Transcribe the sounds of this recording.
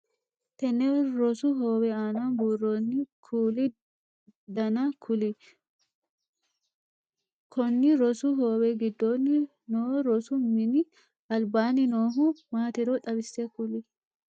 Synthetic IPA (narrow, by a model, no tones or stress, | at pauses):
t̪ɛnːɛɾɔsʊɦoːwɛaːnabuːrːonːɪkʰuːlɪ | d̪ɐnakʰʊlɪ | kʰɔnːɪɾɔsuɦoːwɛɡɪd̪ːoːnːɪ | noːɾɔsʊmɪnɪ | ɐlbaːnɪnoːɦʊmaːt̪ɛɾoᶑɐbɪsːekʊlɪ